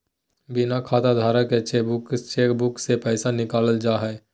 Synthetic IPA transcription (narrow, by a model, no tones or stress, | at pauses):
bɪnakʰaːt̪ad̪ʱaːɾaket͡ʃːʃʰebʊkt͡ʃebʊksepɛɪsanɪkaːləld͡ʒaɦɛ